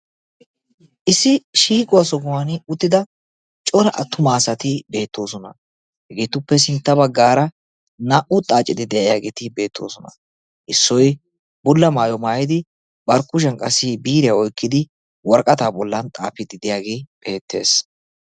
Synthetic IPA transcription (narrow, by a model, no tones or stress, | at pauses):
ʔɪsːɪʃiːkʼʊwasɔɡʊwanʊt̪ːɪd̪ɐ | t͡ʃʼɔɾɐʔɐ̰t̪ːʊmaːsɐt̪ɪbe̞ːt̪ːo̞ːsɔnɐ̰ | hɛɡeːt̪ːʊpːɛs̬ɪnt̪ːɐbɐɡːaːɾɐ | naʔʊt̪ʼaːt͡ʃʼːɪd̪ɪd̪ɛjɐjaːɡeːt̪ɪbe̞ːt̪ʰːo̞̰ːsɔnɐ̰ | ʔɪsːɔj | bʊlːɐmaːjɔmaːjɪd̪ɪ | bɐɾkʊʃ̬ɐnkʼɐsːɪbiːɾɪjaɔjkːɪd̪ɪ | wɔɾkʼɐt̪aːbɔlːɐnt̪ʼa̰ːpɪd̪ɪd̪ɪjaːɡeb̥e̞ːt̪ʰːe̞̰ːs